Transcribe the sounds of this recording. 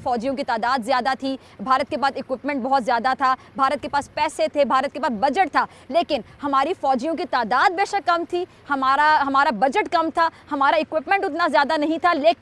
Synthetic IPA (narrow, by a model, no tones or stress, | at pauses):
fɔːd͡ʒijõkit̪aːd̪aːd̪zjaːd̪at̪ʰi | bʱaːɾət̪̚kepaːd̪ɪkwɪpmɛ̃ɳʈbɔɦɔt̪zjaːd̪at̪ʰaː | bʱaːɾət̪̚kepaːspɛːset̪ʰebʱaːɾət̪̚kepaːsbɐd͡ʒəʈ̚t̪ʰaː | leːkɪnhɐmaːɾifɔːd͡ʒijõk̬it̪aːd̪aːd̪̚beːʃakɐmt̪ʰi | hɐmaːɾaɦɐmaːɾabɐd͡ʒəʈkɐmt̪ʰaːhɐmaːɾaɪkwɪpmɛ̃ɳʈʊt̪nazjaːd̪anɐɦĩt̪ʰaleː